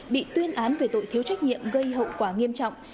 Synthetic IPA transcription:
ɓḭ˧˨t̪wi˧ənʔaː˨˦nvəː˧˩t̪o̰˧˨jt̪ʰi˨˦əwt͡ɕa˦˥jk̟̚ɲḭ˧˨əmɣə˧jhə̰˧˨wkwaː˧˩ŋi˧əmt͡ɕɔ̰˧˨wŋ͡m

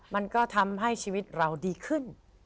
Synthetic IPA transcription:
ma˧nkɔː˥˩t̪ʰa˧mɦa˥˩jt͡ɕʰiː˧wi˦˥t̪̚ɾa˧wdiː˧kʰɯ˥˩n

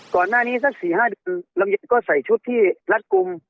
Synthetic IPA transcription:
kɔː˨˩nːaː˥˩niː˦˥˩sa˦˥k̚siː˨˩˦haː˥˩dɯ˧ənlo˧ŋja˧n̚kɔː˥˩sa˨˩˦jt͡ɕʰu˦˥˩t̪ʰːiː˥˩la˦˥t̪̚ku˧m

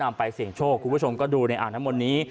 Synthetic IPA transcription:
na˧mpa˧jsi˨˩əŋt͡ɕʰoː˥˩k̚ʰu˧mʰpu˦˥˩o˧mkɔː˥˩duː˧na˧jʔa̰ː˨˩nʰːa˦˥mo˧nːiː˦˥

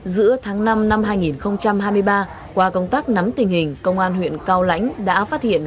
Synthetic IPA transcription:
zɨ̰˧˥ət̪ʰaː˨˦ŋna˧mna˧mɦaː˧jŋi˨˩nxə˧wŋ͡mt͡ɕa˧mɦaː˧jmɨ˧əjɓaː˧ | kwaː˧kə˧wŋ͡mt̪aː˦˥k̚na˨˦mt̪ï˨˩ŋ̟hï˨˩ŋ̟kə˧wŋ͡mʔaː˧nɦwḭ˧˨ənkaː˧wla̰˧˥jŋ̟ɗa̰ː˧˥faː˦˥t̚hḭ˧˨ən

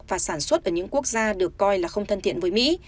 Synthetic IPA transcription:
vaː˨˩saː˧˩nswə˦˥t̚ʔəː˧˩ɲɨ̰˧˥ŋku˦˥ək̚zaː˧ɗɨ˨˩əkːɔ˧jlaː˨˩xə˧wŋ͡mt̪ʰə˧nt̪ḭ˧˨ənvəː˨˦jmḭ˧˥

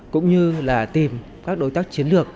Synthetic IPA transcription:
kʊ̰˧˥ŋ͡mɲɨ˧laː˨˩t̪i˨˩m | kaː˦˥k̚ɗo˨˦jt̪aː˦˥k̚t͡ɕi˨˦ənlɨ˨˩ək̚

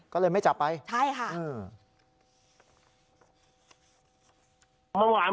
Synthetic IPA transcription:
kɔː˥˩lɤː˧jma˥˩jt͡ɕa˨˩pːa˧jt͡ɕʰa˥˩jkʰa˥˩ʔɯː˧˩ | ma˥˩waː˨˧˦

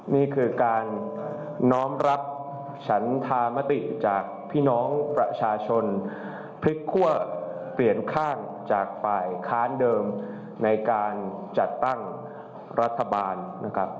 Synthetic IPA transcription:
niː˥˩kʰɯː˧kaː˧nː | ɔː˦˥mɾa˦˥p̚ | t͡ɕʰa˦˥nt̪ʰaː˧ma˦˥t̪i˨˩t͡ɕaː˨˩k̚pʰiː˥˩nɔː˦˥ŋpɾa˧t͡ɕʰaː˧t͡ɕʰo˧n | pʰɾi˦˥kʰːu˥˩ɐp̪ɾi˨˩ənkʰaː˥˩n | t͡ɕaː˨˩k̚faː˨˩jkʰaː˦˥ndɤː˧m | na˧jkaː˧nt͡ɕa˨˩t̪ːa˥˩ŋ | ɾa˦˥t̪ʰːa˧baː˧nːʔa˦˥kʰa˦˥p̚

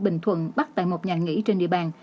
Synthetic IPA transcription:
ɓï˧˨˩ŋ̟t̪ʰwə̰˧˨nɓa˦˥t̚t̪a̰ː˧˨jmo˨˩t̚ɲaː˨˩ŋḭ˧˥t͡ɕe˧nɗḭ˧əɓaː˨˩n

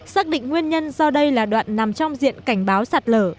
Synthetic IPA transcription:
saː˦˥k̚ɗḭ̈˧˨ŋ̟ŋwi˧ənɲə˧nzɔ˧ɗə˧jlaː˨˩ɗwa̰ː˧˨nːna˨˩mt͡ɕɔ˧wŋ͡mzḭ˧˨ənka˧˩jŋ̟ɓaː˨˦wsaː˨˩t̚ləː˧˩

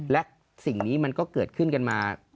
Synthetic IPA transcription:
lɛ˦˥ʔ | si˨˩ŋniː˦˥ma˧nkɔː˥˩kɤː˨˩t̪̚kʰɯ˥˩nka˧nmaː˧

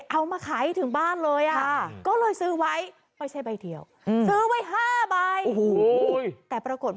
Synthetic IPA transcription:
ʔa˧wmaː˧kʰa˩˦jt̪ʰɯ˩˦ŋbaː˥˩nlɤː˧jʔa˨˩a˥˩kɔː˥˩lɤː˧jsɯː˦˥wa˦˥j | pa˧jt͡ɕʰa˧˥˩jba˧jt̪ʰi˨˩əw | sɯː˦˥wa˦˥jɦaː˥˩ba˧jo˨˩ht̪ɛː˨˩pɾa˧ko˨˩t̪̚

